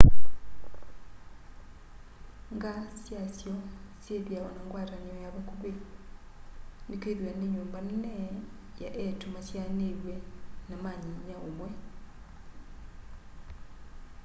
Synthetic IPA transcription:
ŋɡasjasjosjeðjaonaŋɡwaːɾaɲiojaβakuβe | nikeðiwaneɲuːmbanine | ja̰ʔetumasjaneβwenamaɲiɲaomwe

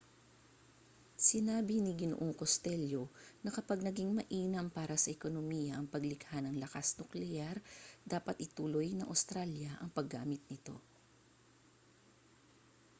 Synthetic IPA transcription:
sɪnaːbɪnɪɡɪno̰ʔoŋkost̪ɛljo̞nɐkɐpaɡ̚nɐɡiŋmɐʔiːnɐmpaːɾɐsɐʔɛko̞nomijɐʔɐŋpɐɡlɪɡhanɐŋlɐkasnʊklɛjaɾd̪aːpɐt̪̚ʔɪt̪uːlojnɐŋʔɐ̰wst̪ɾaljɐʔɐŋpɐɡːa̰ːmɪt̪̚nɪt̪o̞̰

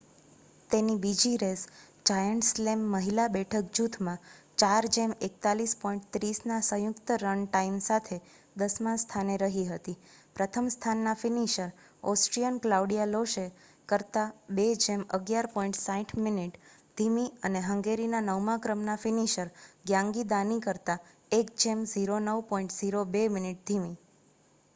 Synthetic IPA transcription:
t̪enibid͡ʒiɾes | d͡ʒajəɳʈslemːəɦilabɛʈʰəkd͡ʒut̪ʰmãt͡ʃaɾd͡ʒemek̚t̪alispɔĩɳʈt̪ɾisnasə̃jʊkt̪əɾənʈaimsat̪ʰe | d̪əsmãst̪ʰaneɾəɦiɦət̪ipɾət̪ʰəmst̪ʰanːafiniʃəɾ | ɔsʈɾijənklauɽijaloʃe | kəɾt̪abed͡ʒeməɡjaɾpɔĩɳʈsãĩʈʰminiʈ | d̪ʱimiəneɦəŋɡeɾinanəʋmãkɾəmnafiniʃəɾɡjãŋɡid̪anikəɾt̪a | ek̚d͡ʒemziɾonəʋpɔ̃ĩɳʈziɾobeminiʈ̚d̪ʱimi

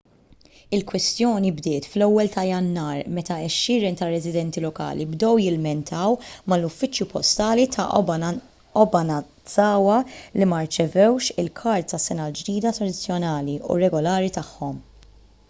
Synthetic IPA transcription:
ɪlkwɛst̪jɔːnibd̪ɪːt̪flɛwːɛlt̪ʰɐjɐnːɐːɾmɛt̪ɐɛʃːɪːɾɛnt̪ɐrːɛzɪd̪ɛnt̪ilɔkɐ̰ːlibd̪ɛwjɪlmɛnt̪ʰɐwmɐlʊfːɪt͡ʃjupɔst̪ɐːlit̪ʰɐ | ɔbɐnɐ | t͡sɐːwɐlimɐɾt͡ʃɛvɛwʃɪlkʰɐɾt̪ːɐsːɛnɐld͡ʒd̪iːd̪ɐt̪ɾɐd̪ɪt͡sːjɔnɐːliṵɾɛɡɔlɐːɾit̪ɐħːɔm

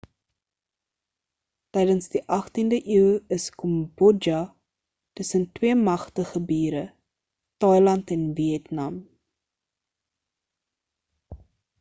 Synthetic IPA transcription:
tɛjdənsdiʔɐχtindəʔiwəskɔmbɔd͡ʒɐ | təsəntwiəmɐχtəχəbiːɾə | tɐjlɐntɛnviɛtnɐm

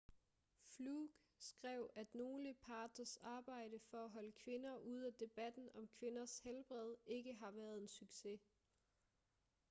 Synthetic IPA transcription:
fluɡ̥ | sɡ̥ʁɛʊ̰æd̥no̝ːləpʰɑ̈ːd̥ʰɐsɑ̈ːb̥ɑ̈ɪ̰d̥əfɒ̽æɦɒ̽ləkʰʋe̝nɐʔuð̞̰ˠæd̥e̝b̥æd̥n̩ɒ̽mkʰʋe̝nɐshelb̥ʁɛð̞ˠe̝ɡ̥əɦɑ̈ʋæːɐð̞ˠe̝nsyɡ̥se̝

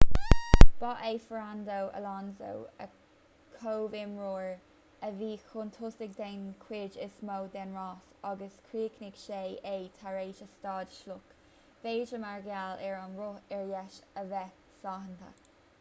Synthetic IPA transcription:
b̥ɑʔeːfɹand̪owʔə̰lanzo̰wə̰ | kʰoːvɪmɹoːɹ | əviːxʊnt̪ʰʊsɪɡ̚d̪ɛnkʰwɪːd͡ʒɪsmowd̪ɛnɹɑːsɑɡəskʰɹiːknɪɡ̥ʃejejt̪ʰaɹeːʃəstɑːdʃlʊk | veːd͡ʒəmaɹɡalɛɹɔnɹʊɛɹjɛʃəvɛ | sɑːɦənt̪ʰə̰

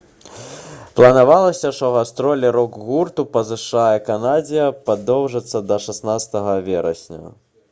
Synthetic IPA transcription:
plˠɐnavalˠɐsʲɐʂt̪ɔɣast̪ɾɔlʲɛɾɔɡɣurt̪upɐzɨʂajɛkanad͡zʲijɐpad̪ɔwʐɐt̪sːɐd̪ɐʂasnat̪st̪ɐɣɐvʲɛɾɐ̰sʲnʲṵ

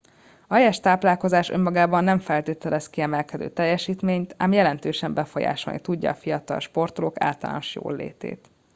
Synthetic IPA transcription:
ɒɛjɛʃt̪aːplaːlko̞zaːʃø̞̰mːɒɡaːbɒnːɛɱfɛlt̪eːt̪ɛlɛskiɛmɛlkɛd̪ø̰ːt̪ɛjːɛʃiːt̪meːɲt̪aːmjɛlɛnt̪øːʃɛmbɛfo̞ja̰ːʃolnʔḭt̪uɟːɒ̰ːfijɒt̪ɒ̰lʃport̪oloːka̰ːlt̪ɒla̰ːnoʃjo̰ːlːḛːt̪ḛːt̪

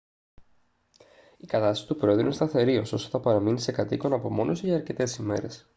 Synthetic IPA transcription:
ikɐt̪ɐsi̥si̥t̪upɾo̞eðɾuinest̪ɐθe̞ɾio̞so̞st̪oθɐpɐɾɐminise̞kɐt̪iko̞nɐpo̞mo̞nʔosʝɐːɾce̞t̪e̞sime̞̰ɾe̞s

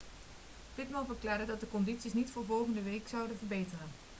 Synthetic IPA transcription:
pɪtmɑlnˠvərklaːɹdədɑt̚dəkɔnditsisnitfʊːɹvɔlˠχəndəʋejksʌwdəvəɹbejtərən

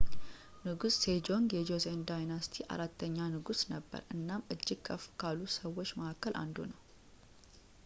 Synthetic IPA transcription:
nɨɡusːed͡ʒo̞ŋɡjɛd͡ʒosend̪ajnast̪ʰiʔa̰ɾat̪ːəɲːanɨɡusnəbːə̰ɾɨnːamɨd͡ʒːɪɡ̥kʰəfkʰalusəwːot͡ʃːməʔakːəlʔa̰nd̪unəw

